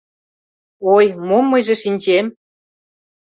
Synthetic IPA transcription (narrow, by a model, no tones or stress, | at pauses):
ojmomːɤjʒĕʃinʲt͡ɕem